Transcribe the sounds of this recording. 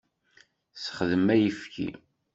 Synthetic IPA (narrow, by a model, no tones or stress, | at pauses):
sə̥χðəmæjəfkʰḭ